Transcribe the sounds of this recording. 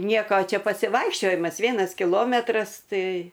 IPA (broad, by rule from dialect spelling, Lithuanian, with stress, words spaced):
ˈnʲiɛkoː ˈt͡ʃʲɛ pɐsʲɪˈʋɐɪkʃʲt͡ʃʲoːjɪmɐs ˈʋʲiɛnɐs kʲɪˈlˠoːmʲɛtrɐs ˈtɐɪ